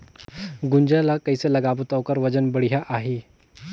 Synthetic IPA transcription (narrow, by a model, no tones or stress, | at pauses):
ɡuɲd͡ʑalakəjsələɡabət̪əwkəɾʋəd͡ʑənbəɽjaʔaɦe